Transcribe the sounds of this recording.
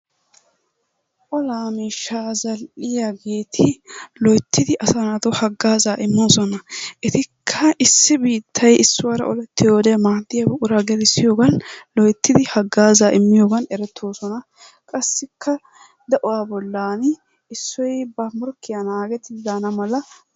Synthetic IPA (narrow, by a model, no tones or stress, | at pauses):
ʔɔlaːmiːʃːazɐlʔɪjaɡe̞ːt̪ʰɪlɔjt̪ʰːɪd̪ɪʔɐsɐnɐt̪ʊhɐɡːaːzaːʔɪmːoːsɔnɐʔɛt̪ɪkʰːɐʔɪsːɪbiːt̪ʰːɐjɪsːʊwaɾɐ̰ʔɔlɛt̪ːɪjoːd̪ɛmaːd̪ːɪjɐbʊʔʊɾaɡɛlɪsːɪjo̞ːɡɐnlɔjt̪ːɪd̪ɪhɐɡːaːzaːʔɪmːɪjoːɡɐnɛɾɛt̪ʰːoːsɔnɐ | kʼɐsːɪkʰːɐ | d̪ɐʔʊwaːbɔlːaːn | ɪsːɔjbɐmɔɾkːɪjɐnaːɡɛt̪ɪd̪aːnɐmɐlɐ